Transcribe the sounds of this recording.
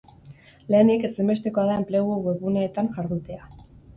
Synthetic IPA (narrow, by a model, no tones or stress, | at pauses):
le̞ːnike̞sembe̞st̪e̞ko̞aðae̞mple̞ɣuoɣe̞ɾβunaet̪anʝaɾðut̪e̞a